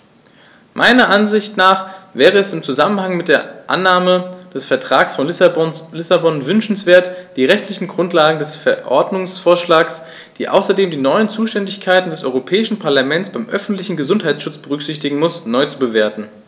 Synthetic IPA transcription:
mʔa̰ɪnɐʔanzɪçtnaːχvɛːʁ̞əɛsɪmt͡suzamənhaŋmɪt̚d̥eːɐʔa̰nːaːməd̥ɛsfɛɐtʁ̥aːksfɔnblɪsabɔnvʏnʃn̩sv̥eːɐtd̥iːʁɛçtʰlɪçn̩ɡʁʊntlaːɡŋ̩dɛsfɛɐʔɔ̰ɐdnʊŋsfoːɐʃlaːks | d̥ḭːʔa̰ʊsɐdeːmdiːnɔʏənt͡suːʃtɛndɪçkʰaɪtn̩dɛsʔɔ̰ʏʁopʰɛːɪʃn̩pʰaɐlamɛnt͡sb̥aɪmʔœfn̩tlɪçn̩ɡəzʊnthaɪt͡sʃʊt͡sb̥əʁʏkz̥ɪçtɪɡŋ̩mʊsnɔʏt͡subəveːɐtn̩

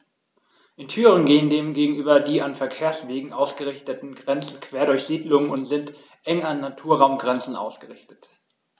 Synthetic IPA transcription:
ʔɪntʰyːʁənɡeːəndeːmɡeːɡŋ̩ʔyːbɐdiːanfɛɐkʰeːɐsv̥eːɡŋ̩ʔaʊsɡ̥əʁɪçtətn̩ɡʁɛnt͡sn̩kv̥eːɐɾʊɐçz̥iːdlʊŋənʊntz̥ɪnt | ʔɛŋanːatʰuːɐʁaʊmɡʁɛnt͡sn̩ʔa̰ʊsɡ̥əʁɪçtə̥t

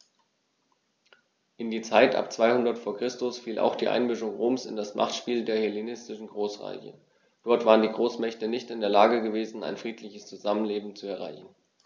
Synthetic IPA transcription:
ʔɪndiːt͡saɪtʔa̰p̚t͡sv̥aɪhʊndɐtfoːɐkʁ̥ɪstʊsfiːlʔa̰ʊxd̥iːʔa̰ɪnmʏʃʊŋʁoːmsɪ̰ndasmʔa̰χtʃpiːldeːɐhɛlenɪstɪʃn̩ɡʁoːsʁa̰ɪçə̰ | d̥ɔɐtv̥aːʁəndiːɡʁoːsmɛçtənɪçtɪndeːɐlaːɡəɡəveːzn̩a̰ɪnfʁ̥iːtʰlɪçəst͡suzamənleːbm̩t͡suɛɐʁ̞a̰ɪçn̩

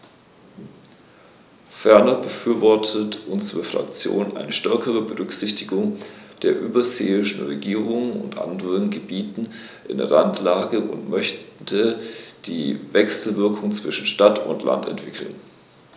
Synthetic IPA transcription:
fɛɐnɐbəfyːɐvɔɐtʰətʔʊnzəʁəfʁ̥a̰kt͡sjo̰ːnʔa̰ɪnəʃtɛɐkəʁəbəʁʏkz̥ɪçtɪɡʊŋd̥eːɐʔyːbɐzeːɪʃn̩ʁeɡiːʁ̞ʊŋənʊ̰ntʔa̰ndəʁənɡəbiːtn̩ | ʔɪ̰ndḛɐlantʰlaːɡəʔʊ̰ntmœçtʰəd̥ḭːvɛksl̩vɪɐkʰʊŋt͡sv̥ɪʃn̩ʃtatʊ̰ntʰlʔa̰ntɛ̰ntv̥ɪkʰl̩n

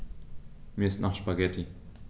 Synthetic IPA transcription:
miːɐɪstnʔaχʃpaɡɛtʰi

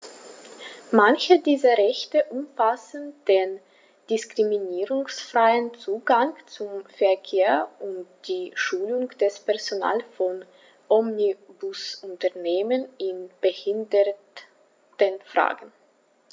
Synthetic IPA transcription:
mançədiːzɐʁɛçtəʔʊmfasn̩d̥eːn | d̥ɪskʁ̥iminiːʁʊŋsfʁ̥aɪənt͡suːɡaŋt͡sʊmfɛɐkʰeːɐʔʊnt̚d̥iːʃuːlʊŋd̥ɛspɛɐzona̰ːlfɔn | ʔɔmnibʊsʊntɐɐneːmənɪnb̥əhɪndə | tənfʁ̥a̰ːɡn̩

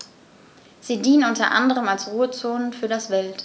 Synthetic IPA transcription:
z̥iːdiːnənʔʊntɐʔa̰ndəʁəmalsʁuːət͡soːnənfyːɐdasv̥ɛlt

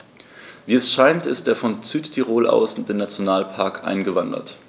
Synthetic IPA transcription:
viːɛsʃaɪntɪstd̥eːɐfɔnt͡syːtːʰiʁoːlʔa̰ʊsʊnd̥eːnːat͡sjonaːlpʰaɐkʰʔa̰ɪnɡəvandɐ̰t

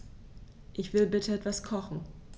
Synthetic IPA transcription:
ʔɪçv̥ɪlbɪtʰəɛtv̥askʰɔχn̩

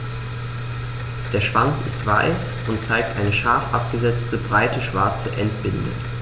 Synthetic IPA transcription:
d̥eːɐʃv̥ant͡sɪstv̥a̰ɪs | ʔʊnt̚t͡saɪk̚tʔaɪnəʃaɐfʔa̰p̚ɡ̥əzɛt͡stəbʁaɪtəʃv̥aɐt͡səʔɛntb̥ɪndə̰

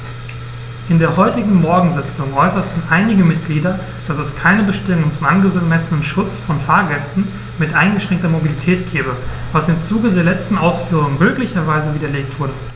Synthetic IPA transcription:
ʔɪndeːɐhɔʏtɪɡŋ̩mɔɐɡŋ̩zɪt͡sʊŋʔɔʏsɐtn̩ʔaɪnɪɡəmɪtɡ̥liːdɐ | d̥asɛskʰaɪnəbəʃtɪmŋt͡sʊmʔanɡəmɛsənənʃʊt͡sfɔnfaːɐɡɛstn̩ | mɪtʔaɪnɡəʃʁ̥ɛŋktɐmobilitʰɛːtɡ̥ɛːbə | vasɪmt͡suːɡədeːɐlɛt͡stn̩ʔaʊsfyːʁ̞ʊŋəmøːklɪçɐvaɪzəviːdɐleːk̚tv̥ʊɐdə

